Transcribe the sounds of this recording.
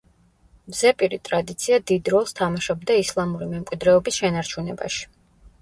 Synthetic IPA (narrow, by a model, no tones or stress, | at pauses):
mzɛpʼiɾit̪ʼɾad̪it̪sʰiad̪id̪ɾɔlˠst̪ʰamaʃɔbd̪aislˠamuɾimɛmkʼwid̪ɾɛɔbisʃɛnaɾt͡ʃʰunɛba̰ʃi̥